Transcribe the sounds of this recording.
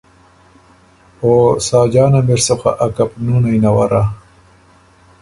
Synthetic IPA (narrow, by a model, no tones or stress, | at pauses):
oːsɑːd͡ʒɑːnameɾsoxa̰ʔakapnunajnawaɾa